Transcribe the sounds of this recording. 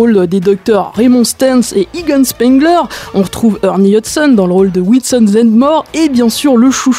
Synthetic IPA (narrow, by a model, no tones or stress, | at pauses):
old̪ed̪ɔk̚t̪œʁːemɔ̃st̪ɛnseʔiɡɔnspɛ̃ŋɡlœʁɔ̃ʁət̪χuvœʁniɔt̪sɔnd̪ɑ̃ləʁold̪əwilsɔnzɛ̃d̪mɔʁebjɛ̃syʁləʃu